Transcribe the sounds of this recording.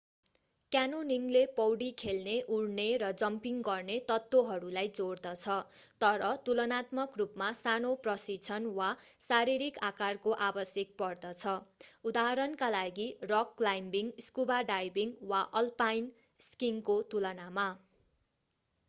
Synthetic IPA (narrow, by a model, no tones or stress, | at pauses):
kjanoniŋlepʌwɽikʰelneʔuɽneɾʌd͡zʌmpiŋɡʌrnet̪ʌt̪ːwoɦʌɾulajd͡zoɽd̪ʌt͡sʰʌt̪ʌɾʌt̪ulʌnat̪mʌkrupmasanoprʌsit͡sʰʌnwasaɾiɾikakarkoʔabʌsjʌk̚pʌrd̪ʌt͡sʰʌud̪aɦʌɾʌnkalaɡirʌkːlajmbiŋskubaɖajbiŋwaʔʌlpajn | skiŋkot̪ulʌnama